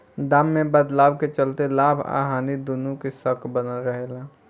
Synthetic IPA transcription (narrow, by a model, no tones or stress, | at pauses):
d̪aːmːẽbəd̪laːwket͡ʃəlt̪elaːbʱa̰ːɦaːnid̪unũkesəkbənəlɾəɦelaː